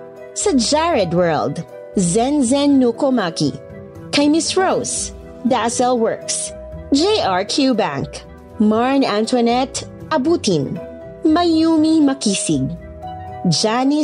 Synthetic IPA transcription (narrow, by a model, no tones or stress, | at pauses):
sɐd͡ʒaɹɛd̪wɛɹld̪ | zɛnzɛnːukomakḭ | kɐjmɪsɹows | d̪asɛlwɛɹks | d͡ʒejʔaɹkʰjubã̰ŋk | maɹnant̪ɔnɛt̪ | ʔɐbuːt̪ɪn | mɐjuːmimɐkiːsɪɡ̚ | d͡ʒanɪ